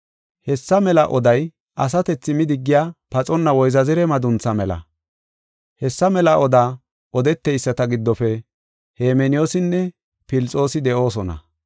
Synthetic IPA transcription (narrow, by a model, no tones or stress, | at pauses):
hɛsːɐmɛlɐʔɔd̪ɐj | ʔɐs̬ɐt̪ɛt͡sːɪmɪd̪ɪɡːɪjaːpɐt͡sʼɔnːɐwɔjzɐzɪɾɛmɐd̪ʊnt͡sːɐmɛlɐ̰ | hɛsːɐmɛlɐʔɔd̪aː | ʔɔd̪ɛt̪ːɛjsːɐt̪ɐɡɪd̪ːɔfɛ | heːmɛnɪjoːsɪnːɛ | pɪlt͡sʼo̞ːsɪd̪ɛʔo̞ːs̬ɔnɐ̰